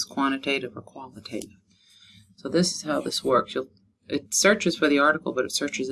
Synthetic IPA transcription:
z̥kʰw̥ɑ̃ɾ̃ɨtʰeɪɾɨvə˞kʰw̥ɑ̃nˠɨtʰeɪɾɪv̥ | soʊðɪsɨz̥haʊðɪswɜ˞ksjɨ | ʔɨtsɜ˞t͡ʃɨz̥fə˞ðiɑɹɾɨkl̩ˠbʌɾɨtsɜ˞t͡ʃɨz

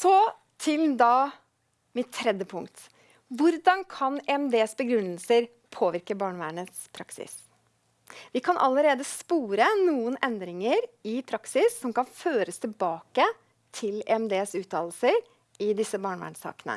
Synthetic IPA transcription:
sɔ | t̪ʰɪld̪ɑː | mɪt̪ʰːɾɛd̪jəpʰʊŋkt̪ | ʋʊɾd̪ɑnkʰɑnɛɛmd̪eːsbəɡɾʉnːəlsəɾ | pʰoːʋɪɾkəbɑːɳʋæːɳəspʰɾɑksɪ̰s | ʋɪkʰɑnʔɑ̰lːəɾeːd̪əspuːɾənuːənɛnd̪ɾɪŋəɾɪpʰɾɑksɪsːɔmkɑnføːɾəst̪ʰɪlbɑːkə | t̪ʰɪlɛ̰ɛmd̪eːsʉːt̪ʰɑːll̩səɾ | ɪd̪ɪsːəbɑːɳʋæ̰ːɳsɑ̰ːkənə̰

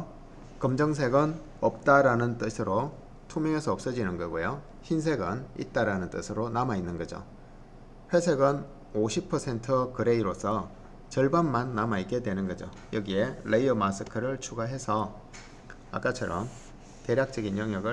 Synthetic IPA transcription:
kɯmd͡ʑʌŋs̬ʰe̞ɡɯn | ʌp̚t͈aɾanɯnt͈ɯsʰɯɾo | tʰumjʌŋesʰʌʌp̚s͈ʌd͡ʑinɯnɡʌɡojo | çins̬ʰe̞ɡɯnḭt̚t͈aɾanɯnt͈ɯ̰sʰɯɾonamainːɯnɡʌd͡ʑo̰ | ɸwe̞sʰe̞ɡɯn | oɕʰipʰːʌsʰe̞ntʰɯkɯɾe̞iɾosʰʌ | t͡ɕʌɭbanmanːamaik͈edwe̞nɯnɡʌd͡ʑo̰ | jʌɡieleiʌmas͈ʰɯkʰɯɾɯɭt͡ɕʰuɡaɦe̞sʰʌ | a̰k͈at͡ɕʰʌɾʌm | te̞ɾjak̚t͡ɕ͈ʌɡinjʌŋjʌɡɯ

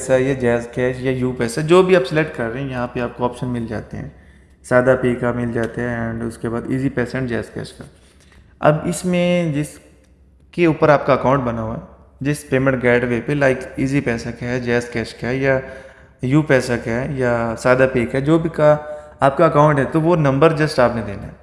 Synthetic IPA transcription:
sajad͡ʒɛːskɛːʃjajuːpɛːsaɛd͡ʒoːbʱiaːpsɛlek̚ʈkɐɾːeɦɛ̃jɐɦãpeaːp̚koɔːpʃənmɪld͡ʒa̰ːt̪eɦɛ̰̃ː | saːd̪apeːkamɪld͡ʒaːt̪eɦɛ̃ɛ̃ːɳɖʊskebaːd̪ḭːzipɛːsaɛ̃ʈd͡ʒɛːskɛ̰ːʃka̰ | ɐ̰bɪsmẽd͡ʒɪs | keuːpəɾaːp̚kaɐkaːʊ̃ɳʈ̚bɐnaːɦuaɛ | d͡ʒɪspeːmə̃ɳʈ̚ɡɛːɖʋepelaːɪkiːzipɛːsakaɦɛd͡ʒɛːskɛːʃkaɦɛja | juːpɛːsakaɦɛɛjasaːd̪apeːkaɦɛd͡ʒoːbʱikaaːp̚kaɐkaːʊ̃ɳʈɦɛt̪oʋonɐ̃mbəɾd͡ʒɐsʈaːpned̪ḛːna̰ɦɛː

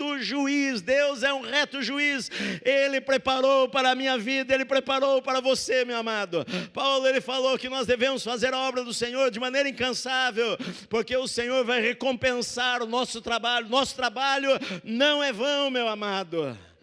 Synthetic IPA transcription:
t̪ʊʒuisd̪ewzɛũʁɛt̪ʊʒuiselɪpɾepaɾowpaɾɐːmĩɲɐvid̪ɐelɪpɾepaɾowpaɾɐvosemewamad̪ʊpawlʊelɪfalowkɪnɔzd̪evẽmʊsfazeɾɐɔbɾɐd̪ʊsẽɲoɾd͡ʒɪmɐ̃nejɾɐĩkɐ̃savewpoɾkeʊsẽɲoɾvajʁekõpẽsaɾʊnɔsʊt̪ɾabaʎʊnɔsʊ̥t̪ɾabaʎʊnɐ̃w̃ɛvɐ̃w̃mewamad̪ʊ

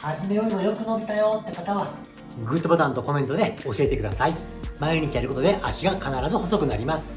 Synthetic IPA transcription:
haʑime̞joɾʲimo̞jo̞kɯ̟no̞bʲit̪ajot̪ːe̞kat̪aβa | ɡɯ̟t̪ːobot̪ãnt̪o̞ko̞mẽ̞nt̪od̪eo̞ɕie̞t̪e̞kɯ̟d̪asai | maiɲ̟it͡ɕijaɾɯko̞t̪o̞d̪e̞ʔaɕiɡakanaɾazɨho̞so̞kɯ̟naɾʲimasɨ̥

